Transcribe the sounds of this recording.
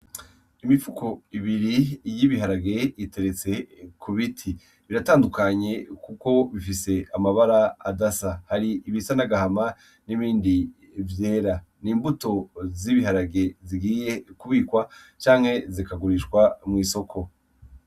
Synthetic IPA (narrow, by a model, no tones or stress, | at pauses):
imifukʰo̞iβiɾijiβiɦaɾaɡe̞ite̞ɾet͡se̞kʰuβitʰi | βiɾataːndukaɲe̞kuko̞βifise̞amaβaɾaːdasahaɾiːβisanaɡahama | niβiːndi | vje̞ːɾa | niːmbuto̞ziβiɦaɾaɡe̞ziɡiːje̞kuβiːkwat͡ʃaːŋ̥he̞zikaɡuɾiʃkwamŋiːso̞kʰo̞